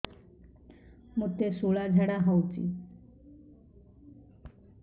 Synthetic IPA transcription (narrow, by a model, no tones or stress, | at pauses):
mot̪esoɭad͡zʱaɽaɦawt͡ɕḭ